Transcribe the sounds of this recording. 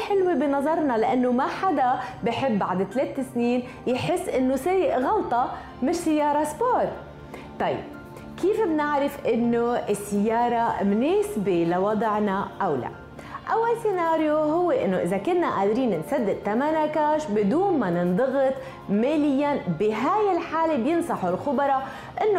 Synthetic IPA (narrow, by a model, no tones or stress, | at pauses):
ħɪlwebinɑzˤɑɾˤnɑlaʔanːomaħad̪abɪħɪbːaʕd̪t̪leːt̪ɪsniːn | jħɪsːʔɪnːoseːjɪʔɣɑlt̪ˤɑ | mɪʃsajːɑːɾˤɑsboːɾ | t̪ˤɑjːɪ̰b̚ | kiːfbnɪʕɾɪfʔɪnːoɪsːɪjːɑːɾˤɑmneːsbelawɑd̪ˤʕnaʔawla̰ | ʔawːalsinaːɾjoɦʊwːeʔɪ̰nːoʔɪzakʊnːaʔaːd̪ɾiːnɪnsad̪ːɪd̪̚t̪amanakaːʃbɪd̪uːnmanɪnd̪ˤɑɣɨt̪ˤ | meːlɪjːabɪɦaːjɪlħaːlebjɪnsˤɑħʊlxʊbɾˤɑ | ʔɪnːo